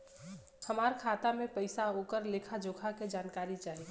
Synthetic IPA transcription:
həmaːɾkʰaːt̪amẽpəɪsaokəɾleːkʰad͡ʒoːkʰaked͡ʒaːnkaːɾit͡ʃaːɦi

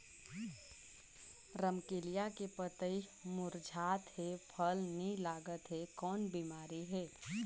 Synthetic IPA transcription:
ɾəmkeːlijakepət̪əimʊɾd͡ʒʱaːt̪ɦepʰəlnĩlaːɡət̪ɦekɔːnbimaːɾiɦɛː

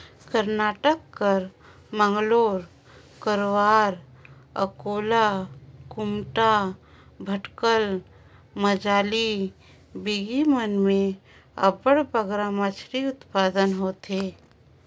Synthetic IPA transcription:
kəɾnaːʈəkːəɾ | mə̃ŋɡloːɾ | kəɾwaːɾ | ə̰koːlakʊmʈa | bʱəʈkəl | məd͡ʒaːli | biɡimənmẽ | ə̰bəɽbəɡɾamət͡ʃʰɾiʊt̪paːd̪ənɦoːt̪eː

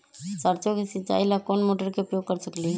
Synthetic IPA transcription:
səɾt͡ʃokesit͡ʃa̰ilakonmoʈəɾkeupjoɡ̚kəɾsəkli

